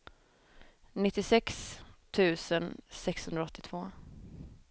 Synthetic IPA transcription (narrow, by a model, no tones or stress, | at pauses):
nɪt̪ːɪsɛkst̪ʰʉ̟ːsənsɛkshɵnd̪ɾaɔt̪ːɪt̪ʰv̥oː